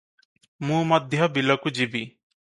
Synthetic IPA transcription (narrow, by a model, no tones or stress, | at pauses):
mũːmʌd̪ʱjɔbilɔkud͡ʒibi